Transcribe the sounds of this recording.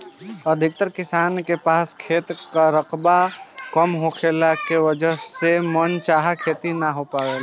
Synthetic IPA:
əd̪ʱɪk̚t̪əɾkɪsaːnkepaːskʰeːt̪kaɾəqbakəmɦokʰelakewəd͡ʒəɦsemənt͡ʃaɦakʰet̪inaɦopawel

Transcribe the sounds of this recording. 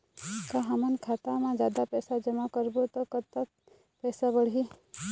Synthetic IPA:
kaɦɐmənkʰaːt̪amãd͡ʒaːd̪apɛːsad͡ʒəmakəɾbot̪okət̪ːa | pɛːsabəɽi

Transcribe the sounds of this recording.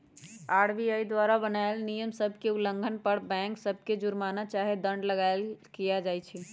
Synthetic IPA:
aɽbiaid̪waɾabənaelnijəmsəbʱkeuləŋɡʱənpəɽbɛ̃ŋksəbʱked͡ʒuɾmanat͡ʃaɦed̪əɳɖləɡaelkijad͡ʒajt͡ʃʰɛ

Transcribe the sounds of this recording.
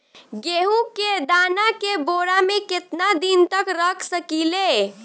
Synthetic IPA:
ɡeɦuked̪anakeboɾameket̪nad̪int̪əkɾəkʰsəkile

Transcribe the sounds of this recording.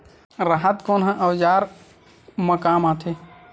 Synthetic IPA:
ɾəɦət̪koːnɦə̃ʔəwd͡ʒaːɾ | məkaːmãt̪ʰe

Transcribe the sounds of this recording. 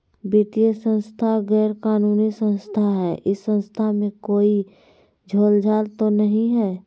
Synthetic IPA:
bit̪ijəsə̃nst̪ʰaɣɛːɾkaːnuːnisə̃nst̪ʰaɦɛːʔɪsːə̃nst̪ʰamẽkoːi | d͡ʒʱoːld͡ʒʱaːlt̪onəɦĩɦɛː

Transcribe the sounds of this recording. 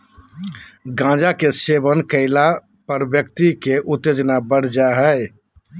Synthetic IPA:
ɡãd͡ʒakesebənkəɪla | pəɾbjək̚t̪ikeʔut̪ːed͡ʒnabəɽ̤d͡ʒaɦə

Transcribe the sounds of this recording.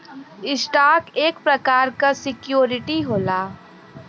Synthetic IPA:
ɪsʈaːkeːkpɾɐkaːɾkasɪkjoːɾɪʈiɦoːlaː

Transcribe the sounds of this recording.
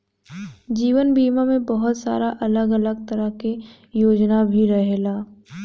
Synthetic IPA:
d͡ʒiːʋənbiːmamẽbɐɦʊt̪sa̰ːɾaʔɐləɡɐləɡ̚t̪ɐɾəɦke | joːd͡ʒnabʱiɾɐɦelaː

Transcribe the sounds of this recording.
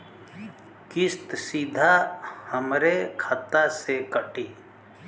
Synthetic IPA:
kɪst̪sid̪ʱahəmɾekʰat̪asekəʈiː

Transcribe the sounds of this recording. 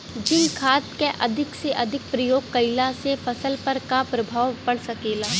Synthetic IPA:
d͡ʒɪnkʰaːt̪keʔɐd̪ʱɪkseʔɐd̪ʱɪk̚pɾɐjoːɡ̚kɐɪlasefɐsəlpɐɾkapɾɐbʱaːwpɐɽsɐkeːlaː

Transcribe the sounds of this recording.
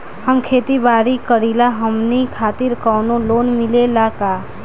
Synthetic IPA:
həmkʰet̪ibaɾikəɾilaɦəmnikʰaːt̪iɾkɔːnolonmilelaka

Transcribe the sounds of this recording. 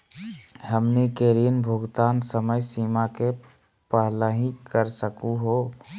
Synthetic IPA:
həmnikeɾinbʱʊɡt̪aːnsəməjsiːmake | pəɦləɦĩkəɾsəkuɦo

